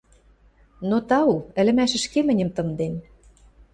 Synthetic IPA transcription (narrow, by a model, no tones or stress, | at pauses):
not̪ɑuɘ̆lɘ̆mæʃɘ̆ʃkemɘ̆nʲə̆mt̪ɤ̆nd̪en